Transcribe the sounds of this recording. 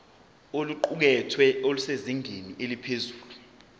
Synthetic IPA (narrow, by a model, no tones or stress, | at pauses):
oluǃuk̬ɛtʰwɛoluseziŋʱeniʔelipʰezuːlu